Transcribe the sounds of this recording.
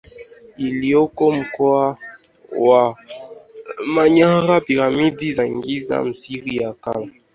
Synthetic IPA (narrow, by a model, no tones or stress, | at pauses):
iliokɔm̩kɔa | wa | maɲaɣapiɾamidizaŋɡiza̰m̩siʁijaka̰la